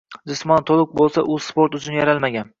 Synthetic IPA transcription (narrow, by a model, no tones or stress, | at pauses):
d͡ʒɪsmɒnt̪ʰolˠɪk̚bolˠsaʔɵz̥spoɾt̪ʊt͡ʃʰʊnjaɾalˠmaɡʲan